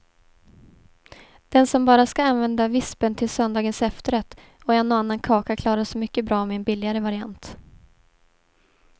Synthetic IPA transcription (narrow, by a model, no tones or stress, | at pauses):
d̪̥ɛnsɔmbɑːɾaskaanvɛnd̪avɪspənt̪ʰɪlsœnd̪ɑːɡənsɛft̪əɾɛt̪ː | ɔɛnːoanːankʰɑːkakʰlɑːɾaʂɔmʏkːəbɾɑːmɛɛnbɪlːɪɡaɾəvaɾɪant̪